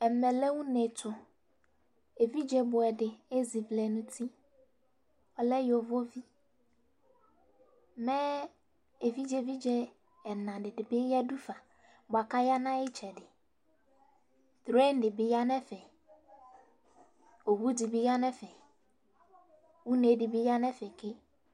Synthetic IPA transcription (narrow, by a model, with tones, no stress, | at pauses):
ɛ˨mɛ˨lɛ˦wũ˦nɛ˨tʰʊ˨ | e˨vi˦d͡ʒɛ˨bʊ˨ɛ˨dɪ˨e˦zi˨vlɛ˨nũ˦tʰi˦ | ɔ˨lɛ˦jo˨vo˦vi˦ | mɛ˦ | e˨vi˦d͡ʒɛ˨vi˦d͡ʒɛ˦ | ɛ˨nã˨dɪ˨dɪ˨bɪ˦ja˦du˦fa˨ | ba˨ka˦ja˦nã˦ɪ˦t͡ʃɛ˨dɪ˨ | tɾe˦n˦dɪ˨bɪ˨ja˦nɛ˦fɛ˨ | o˨wu˦di˨bɪ˨ja˦nɛ˦fɛ˨ | wu˦ne˨dɪ˨bɪ˦ja˦nɛ˦fɛ˨kɪ˦